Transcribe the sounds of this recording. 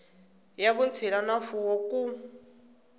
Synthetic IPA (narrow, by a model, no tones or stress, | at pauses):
jaβunt͡sʰilanafuwɔku